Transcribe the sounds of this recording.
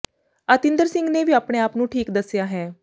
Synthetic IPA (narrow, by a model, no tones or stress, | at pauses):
at̪ind̪əɾsiŋɡneʋʱiːapɽ̃eaːpnũːʈʰiːkd̪əsjaɦɛ̃ː